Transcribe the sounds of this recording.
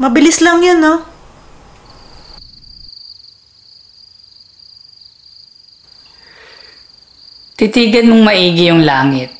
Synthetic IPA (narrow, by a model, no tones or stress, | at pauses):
mɐbɪlɪslɐŋjɐnːo | t̪it̪iːɡɐnmoŋmɐʔiːɡɪjʊŋlaːŋɪt̪̚